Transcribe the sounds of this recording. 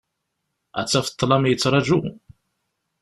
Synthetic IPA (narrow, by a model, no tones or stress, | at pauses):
æ̰t͡sːæfə̥t̪ˤːlɑmjət͡sːɾˤɑʒu